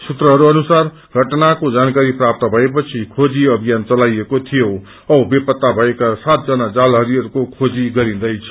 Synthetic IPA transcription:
sut̪rʌɦʌɾuʌnusar | ɡʱʌʈnakod͡zankaɾiprap̚t̪ʌbʱʌepʌt͡sʰikʰod͡ziʌbʱijant͡sʌlajekot̪ʰijo | ʌbepʌt̪ːabʱʌekasat̪̚d͡zʌnad͡zalɦʌɾiʌɾukokʰod͡ziɡʌɾĩd̪ʌjt͡sʰʌ̥

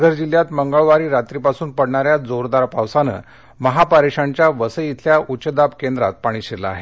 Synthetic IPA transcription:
ɡʱəɾd͡ʑiljat̪məŋɡəɭʋaɾiːɾat̪ɾiːpasuːnpəɽɳaɾjad͡zoɾd̪aɾpawsanə̰ | məɦapaɾeʂaɲt͡ɕjaʋəsəit̪ʰljaʔut͡ɕəd̪apkend̪ɾat̪̚paɽ̃iːɕela̰a̰ɦe

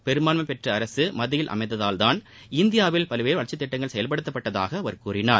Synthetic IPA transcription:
pɛɾɯmaːnmɐpɛʈrɐːɾɐsɯmɐðɪjɪlʔɐ̰mɐɪðɐðaːlt̪aːn | ɪnd̪ɪjaːʋɪlpɐlɯʋeːɾʋɐɭt͡ʃːɐt̪ːɪʈːɐŋɡɐɭsɛjɐlpɐɽɯt̪ːɐpːɐʈːɐða̰ːɣɐːʋɐɾkuːrɪnaːɾ

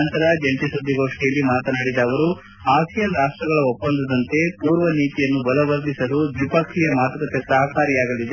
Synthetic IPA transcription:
nt̪ɐɾɐd͡ʒɐnt̪isud̪ʱːiɡo̞ːʂʈijɐlːimaːt̪ɐnaːɽid̪ɐːʋɐɾu | aːsijɐɾaːʂʈɾɐɡɐɭɐopːɐnd̪ɐd̪ɐnt̪e̞puːɾʋɐniːt̪ijɐnːubɐlɐʋɐɾd̪isɐlud̪ʋipɐkʂijɐmaːt̪ɐkɐt̪ːesɐɦɐkaːɾijaːɡɐlid̪e

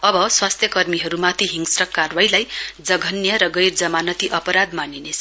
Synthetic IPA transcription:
ʌbʌswast̪ʰjʌkʌrmiɦʌɾumat̪ʰiɦiŋsrʌkarwajlajd͡zʌɡʱʌnjʌɾʌɡʌjrd͡zʌmanʌt̪iʔʌpʌɾad̪maninesʌ

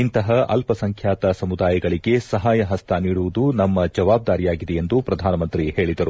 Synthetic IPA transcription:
int̪ɐɦɐɐ̰lpɐsɐŋkʰjaːt̪ɐsɐmud̪aːjɐɡɐɭiɡe̞sɐɦaːjɐɦɐst̪ʰɐniːɽuʋud̪unɐmːɐd͡ʒɐʋaːb̚d̪aːɾijaːɡid̪ejend̪upɾɐd̪ʱaːnɐmɐnt̪ɾihe̞ːɭid̪ɐɾu

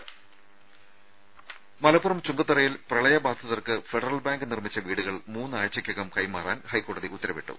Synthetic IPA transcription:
mɐlɐpːurɐmt͡ɕuŋɡɐt̪ːɐrɐjilprɐɭɐjɐbaːd̪ʱɐðɐrkɨfeɖɐrɐlbaːŋɡɨnirmit͡ɕːɐʋiːɽuɣɐɭmuːnːɨaːjɐt͡ɕɐkʲːɐɣɐmkɐjmaːra̰ːnhɐjkːo̞ːɽɐðiʔut̪ːɐɾɐʋeʈːṵ

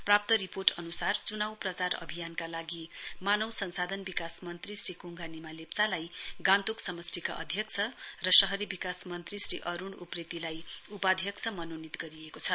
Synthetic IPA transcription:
prap̚t̪ʌɾiporʈʌnusart͡sunawprʌt͡sarʌ̰bʱijankalaɡimanʌwsʌnsad̪ʱʌnbikasmʌnt̪risrikuŋɡʱanimalept͡salajɡãnt̪uksʌmʌsrika̰ʔʌ̰d̪ʱjʌk̚t͡sʰʌrʌsʌɦʌɾibikasmʌnt̪risrḭʔʌɾuɳupret̪ilajupad̪ʱjʌkt͡sʰʌmʌnonit̪ɡʌɾijekot͡sʰʌ

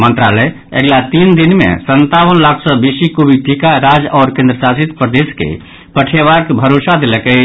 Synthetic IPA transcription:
mə̃nt̪ɾa̰lɛ | ə̰ɡlat̪iːnd̪ɪnmḛ̃sə̃nt̪awənlaːkʰsɔbesikobiʈʰikaɾaːd͡ʒɔːɾkẽnd̪ɾəsasit̪pɾəd̪eːskḛ | pəʈʰeʋakbʱəɾoːsad̪elekə

